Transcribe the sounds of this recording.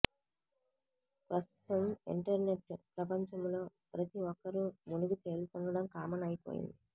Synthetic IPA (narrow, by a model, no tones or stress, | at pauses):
pɾɐst̪u̥t̪ɐmḭɳʈɐɾne̞ʈːpɾɐpɐɲt͡ʃɐmlo̞ː | pɾɐt̪iʋɔkːɐɾumunuɡut̪e̞ːlut̪uɳɖɐɽɐmkaːmɐnɐjipo̞̰ːjḭnd̪i